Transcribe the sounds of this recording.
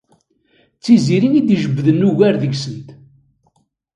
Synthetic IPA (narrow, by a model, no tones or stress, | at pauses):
t͡sːiziɾinid̪iʒəbːðənːuʝæɾðəʝsənt̪